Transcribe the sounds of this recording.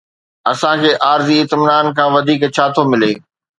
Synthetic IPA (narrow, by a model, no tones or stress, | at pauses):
ɐsãkʰeːʔaːɾziɪt̪mɪnaːnkʰãːʋɐd̪ʱiːkt͡ɕʰaːt̪ʰomɪlḛː